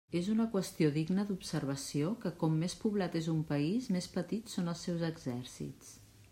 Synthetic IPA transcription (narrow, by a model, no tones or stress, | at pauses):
ezunəkwəst̪ioðiɡnəðupsəɾβ̞əsiokəkɔmːespuβlat̪ezumpəizmespət̪it̪sonəlˠsɛwzəɡzɛɾsḭtt͡s